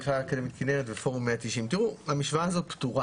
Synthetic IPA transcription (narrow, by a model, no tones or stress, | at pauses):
χakad̪emet̪kineʁet̪vefoʁumːeat̪iʃimt̪iʁuamiʃvaːzo̞t̪̚pt̪uʁa